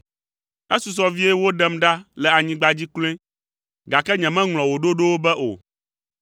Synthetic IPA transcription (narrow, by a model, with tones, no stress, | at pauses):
ɛ˦su˨s̬ɔ˦vi˦ɛ˦wo˦ɖɛ˦mɖa˦lɛ˨a˨ɲĩ˦ɡ͡ba˦d͡ʑi˦kl̃ẽ˦ | ɡa˨kɛ˦ɲɛ̃˨mɛ̃˦ŋlɔ̃˨wo˨ɖo˦ɖo˦wo˦bɛ˦ʔo̰˨